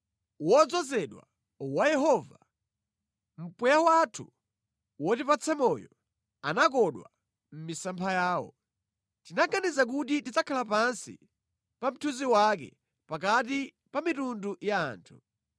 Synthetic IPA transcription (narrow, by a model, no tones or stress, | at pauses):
wɔd͡zɔzɛɗwa̰ | wajɛɦɔva | m̩pwɛjawatʰu | wɔtipat͡sʰɛmɔjɔ | anak̬ɔɗwa̰ | m̩misampʰajaːwɔ̰ | tinaɡanizak̬utitit͡sakʰalap̬ansḭ | pam̩tʰuziwakɛ̰ | pakati | pamitunduja̰ːntʰu̥